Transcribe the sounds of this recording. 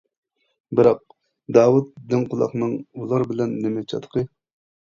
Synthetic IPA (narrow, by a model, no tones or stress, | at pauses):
bɪɾɑq̚ | d̪ɑːwut̪̚d̪ɪŋqʊlˠɑ̰χnɨŋulˠɑɾbɪlɛnːɪmɛt͡ʃʰɑ̰t̪ʰə̥qʰə